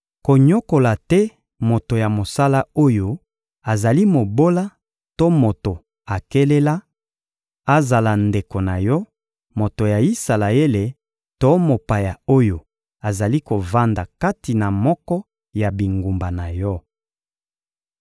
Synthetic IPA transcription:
ko˨ɲo˦ko˨la˨tɛ˦ | mo˨to˨ja˨mo˨sa˦la˦o˦jo˦ | a˨za˨li˦mo˨bo˦la˦ | to˦mo˨to˨ | a˨ke˦le˦la˦ | a˨za˨la˨nde˨ko˨na˨jɔ˦ | mo˨to˨ja˨i˦sa˨la˨e˦le˨ | to˦mo˨pa˨ja˨o˦jo˨ | a˨za˨li˦ko˨va˦nda˨ka˦ti˨na˨mɔ˦kɔ˦ | ja˨bi˨ŋɡu˨mba˨na˨jɔ˦

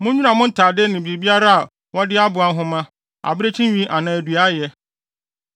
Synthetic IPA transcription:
mʊ̃˦ɲᶣu˦nã˨mʊ̃˦n̩˦tʰaː˨dɪ˦nɪ̃˨bi˨bi˦a˦ɾa˦a˨ | wɔ˦dɪ˦a˦bʊ˨a˨˦ɦʊ̃˦mã˦ | a̰˨bɪ˦ɾe˦t͡ɕʰĩ˦ɥĩ˦ʔa˨nã˨æ˨du˨a˦jɛ˦

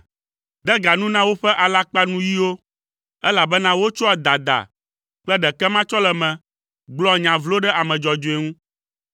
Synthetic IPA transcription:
d̪ɛ˦ɡa˨nũ˦nã˦wo˦ɸɛ˦ʔa˨la˦k͡pa˦nũ˦ji˦wo˦ | ɛ˦la˨bɛ˦nã˦wo˦t͡ʃɔ˦a˨d̪a˨d̪a̰˨ | k͡plɛ˦ɖɛ˨kɛ˦mã˦t͡ʃɔ˦lɛ˨mɛ̃˨ | ɡ͡blɔ˦ɲã˨vlo˦ɖɛ˦ʔa˨mɛ̃˨d͡ʒɔ˨d͡ʒo˨e˨ŋũ˦

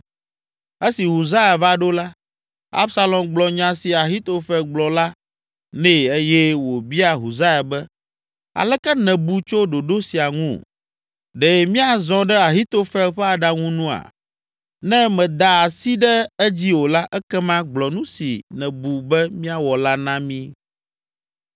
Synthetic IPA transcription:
ɛ˦si˨ɦo˨za˦ja˨va˦ɖo˦la˦ | a̰˦bsa˦lɔ̃˨mɡ͡blɔ˨ɲã˨si˨a˨ɦi˦t̪o˦fɛ˦ɡ͡blɔ˨la˦ | nɛ̃˦˨e˦jɛ˦wo˨bi˦a˨ɦu˨za˦ja˨bɛ˦ | a̰˨lɛ˦kɛ˦nɛ̃˨bu˨t͡ʃo˦ɖo˨ɖo˦si˨a˨ŋṵ̃˦˨ | ɖɛ˨mĩ˦a˨zɔ̃˦ɖɛ˦a˨ɦi˦t̪o˦fɛ˦lɸɛ˦a˨ɖa˨ŋũ˦nũ˦a̰˨ | nɛ̃˦mɛ̃˨d̪a˨a˨si˦ɖɛ˦ɛ˦d͡ʑi˦wo˨la˦ʔɛ˦kɛ˦mã˦ɡ͡blɔ˨nũ˦si˨nɛ̃˨bu˨bɛ˦mĩ˦a˨wɔ˨la˦nã˦mĩ˦

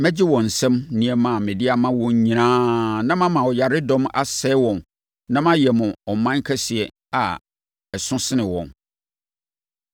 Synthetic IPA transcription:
mɛ̃˦d͡ʑɪ˦wɔ̃˨n̩˨sɛ̃˦mnĩ˨ɛ˨mã˨mɪ̃˨dɪ˦a˨mã˦wɔ̃˨ɲ˦ɲĩ˨nãː˦nã˦mã˦mã˨ɔ˨ja˨ɾɪ˦dɔ̃˦ma˦sɛ˦wɔ̃˨n | nã˦mã˦jɛ˨mʊ̃˨ɔ˨mã˦ŋ˦kʰɛ˦sɪ˨ɛ˨ | a˨ | ɛ˨sʊ̃˦sɪ˦nɪ̃˨wɔ̰̃˨n

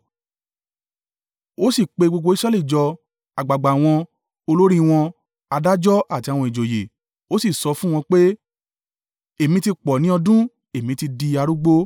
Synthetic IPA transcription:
o˦si˦˨k͡pe˧ɡ͡bo˧ɡ͡bo˧i˦sɾɛ˦li˦˨d͡ʒɔ˧ | a˨ɡ͡ba˨ɡ͡ba˨w̃ɔ̃˧ | o˧lo˦ɾĩ˦w̃ɔ̃˧ | a˧da˦d͡ʒɔ˦ʔa˦˨ti˧a˧w̃ɔ̃˧i˨d͡ʒo˨je˨ | o˦si˦˨sɔ˧fũ˦˨w̃ɔ̃˧k͡pe˦ | e˨mĩ˧ti˧k͡pɔ˨nĩ˦ɔ˧dũ˦ | e˨mĩ˨˧ti˧di˧a˧ɾu˦ɡ͡bo˦

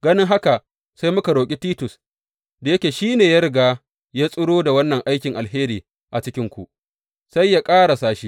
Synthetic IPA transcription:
ɡɐ˦nɪ˦ŋɦa˦ka˨ | sa˦jmʊ˦ka˨ɽoː˨kʲʼi˦tiː˦tʊ˨s | da˨jɐ˦kʲeː˨ʃiː˦neː˨ja˦ɾɪ˨ɡaː˦ | jaː˦sʼʊ˦ɽoː˦da˨wɐ˦nːɐ˨ŋʔa˦jkʲɪ˨ŋʔa˨lɦeː˦ɾiː˨ | ʔa˨t͡ʃɪ˦kʲɪ˦ŋkʷṵ˨ʔ | sa˦jːa˦kʼaː˦ɽa˨saː˦ʃi˦

